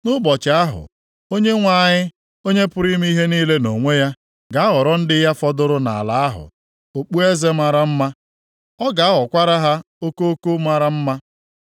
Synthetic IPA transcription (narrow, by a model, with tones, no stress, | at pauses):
nʊ˦bɔ˨t͡ʃɪ˨a˦ɦʊ̰˨ | o˦ɲe˦ŋʷa˨ɲɪ˦ | o˦ɲe˦pʊ˦ɾi˦m˦i˦ɦe˦niː˦le˦no˨ŋʷe˦ja˦ | ɡa˨a˦ɣɔ˨ɾɔ˦n̩˦dɪ˦ja˦fɔ˦dʊ˦ɾʊ˦na̰˨a˨la˨a˦ɦʊ̰˨ | o˨k͡pu˦e˦ze˦ma˨ɾa˦m̩˦ma˦ | ɔ˦ɡa˨a˦ɦɔ˨kʷa˦ɾa˦ɦa˦ | o˦ko˦o˦ko˦ma˦ɾa˦m̩˦ma˦